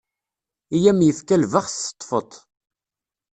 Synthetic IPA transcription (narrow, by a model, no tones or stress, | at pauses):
ijæmjəfkælvəχsə̥t̪ˤːfət̪ˤ